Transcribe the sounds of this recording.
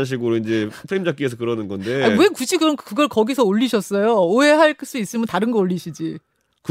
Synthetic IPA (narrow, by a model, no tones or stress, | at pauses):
ɕ̬ʰiɡɯɾoind͡ʑepʰeimd͡ʑak͈̚ies̬ʰʌkɯɾʌnɯnɡʌnde̞awe̞kud͡ʑʰikɯɾʌnkɯɡʌɭkʌɡisʰʌoʎːiɕʰʌs͈ʌjooɦe̞ɦaɭs͈uis͈ɯmjʌntaɾɯnɡʌoʎːiɕʰid͡ʑi | k